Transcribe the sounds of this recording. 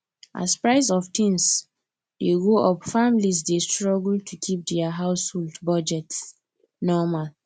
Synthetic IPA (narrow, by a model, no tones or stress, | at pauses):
ʔa̰spɹaɪs̬ɔftʰĩŋs | deɡoʔɔpfamlis̬destɹɔɡultʰukʰip̚dɛaɦaʊsholdbɔd͡ʒɛt | nɔmal